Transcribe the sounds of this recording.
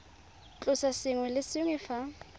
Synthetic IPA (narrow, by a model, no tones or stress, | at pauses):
t͡ɬʼʊsasɪŋwɛlɪsɪŋwɛfa